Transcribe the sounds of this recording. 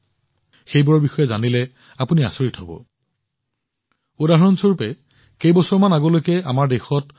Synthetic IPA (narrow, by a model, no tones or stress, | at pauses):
xejbɔɹɔbixɔjɛzanilɛ | apunia̰soɹitɦɔbɔ̰ | udaɦɔɹɔnsoɹpɛ | kejbɔsɔɹmanaɡɔlojkɛamaɹdexɔt̚